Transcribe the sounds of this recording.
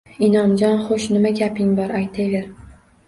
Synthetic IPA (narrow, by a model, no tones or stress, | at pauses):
ɪnɒnd͡ʒɒnχoʃnɪmaɡʲapʰɪŋbɒɾajt̪ʰevʲeɾ